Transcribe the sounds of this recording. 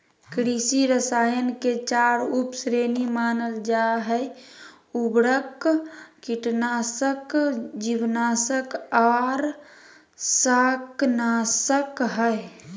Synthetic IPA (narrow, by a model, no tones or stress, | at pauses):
kɾisiɾəsaːjənket͡ʃaːɾupsɾeːnimaːnəld͡ʒaɦə | ubɾəkː | iʈnaːsəkd͡ʒiwnaːsəkɔːɾ | saknaːsəkɦəe